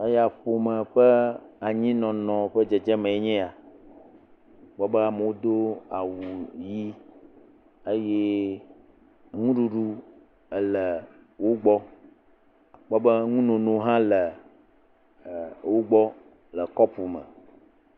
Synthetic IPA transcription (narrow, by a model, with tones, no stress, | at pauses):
e˦ja˨ɸo˨mə̃˨ɸə˦a˨ɲĩ˦nɔ̃˨nɔ̃˨ɸə˦d͡ʒe˨d͡ʒɛ˦mẽ˨e˦ɲɛ̃˦a˨ | ɡ͡bɔ˦bɛ˦a˨me˨wo˦d̪o˦a˨wu˨ji˦ | e˦je˦ | ŋũ˦ɖu˨ɖu˦ | ə˨lɛ˨ | wo˦ɡ͡bɔ˦ | k͡pɔ˦bə˦ŋũ˦nõ˨nõ˨˦ɦã˦lə˨ | wo˦ɡ͡bɔ˦ | lə˨kɔ˦pu˨mə̰̃˨